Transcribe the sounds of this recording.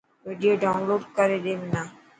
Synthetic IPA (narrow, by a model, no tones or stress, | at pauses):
ɾeːɖijoːɖaːʊnloːɖkəɾed̪eːmɪnaː